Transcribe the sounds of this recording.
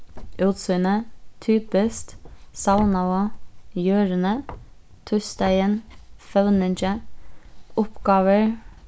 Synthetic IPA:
ʔʉːt̪sʉːnət̪ʰyːpəst̪sɑʊnɑʊəjøːɾənə | t̪ʰʉst̪æɪənfœʋnənt͡ʃə | ʊpɡɑːʋəɹ

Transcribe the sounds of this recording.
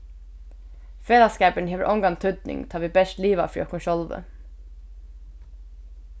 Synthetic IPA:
feːlaskɛːpəɳɦeːʋəɹʔɔŋɡant̪ʰʏd̪nɪ̰ŋt̪ʰɑːʋiːbɛʂt̪liːʋa̰fɹiːɔkʊnʃɔlʋə̰

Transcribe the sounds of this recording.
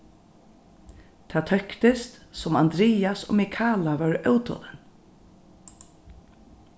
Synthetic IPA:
t̪ʰaːt̪ʰœhkt̪ɪst̪sɔmand̪ɾiːjasɔ̰ːmikʰaːlavœɹœwt̪ʰɔ̰nɪn

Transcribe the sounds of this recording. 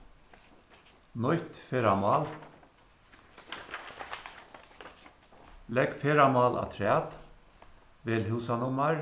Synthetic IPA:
nɔʏt̪feːɾamɑːl | lɛɡfeːɾamɑːlʔɑ̰t̪ʰɹæːt̪ | ʋeːlhʉːsanʊmaɹ

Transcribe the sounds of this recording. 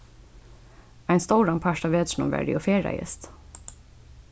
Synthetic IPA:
æɪnst̪oːɾɑmpʰæʃɑʋeːd̪ʃɳʊ̰ʋæ̰ːɖɪ̰joːfeːɾæ̰ɪə̰st̪

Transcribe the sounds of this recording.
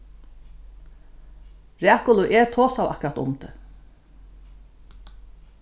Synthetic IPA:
ɾæːkʊlʊʔɛɾt̪ʰoːsawa̰hkʊɾat̪ʊ̰mt̪ə

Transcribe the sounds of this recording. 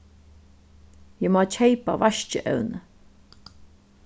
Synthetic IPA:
jəmɔːt͡ʃʰejpa̰vaʃt͡ʃə̰ʔə̰wnə

